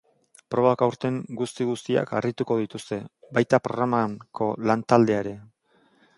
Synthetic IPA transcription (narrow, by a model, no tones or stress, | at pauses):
pɾo̞βakawɾt̪e̞ŋɡust̪iɣust̪ia̰ka̰rit̪uko̞ðit̪ust̪e̞bajt̪apɾo̞̰ɣɾamakʰo̞lant̪ald̪e̞aeɾe̞